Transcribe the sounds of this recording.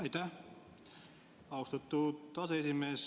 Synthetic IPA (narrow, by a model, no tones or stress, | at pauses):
æjt̪æ | ɑwst̪ɑt̪ːut̪ɑseesimeːs